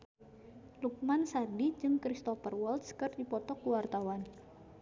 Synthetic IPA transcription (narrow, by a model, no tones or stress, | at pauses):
luk̚mansadid͡ʒɨŋkɾist̪ɔfərwɔlt̪skərdipɔt̪ɔkuwart̪awan